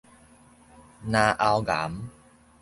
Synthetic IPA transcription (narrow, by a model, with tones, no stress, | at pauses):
nãː˧ʔa˧wɡa̰˩˦m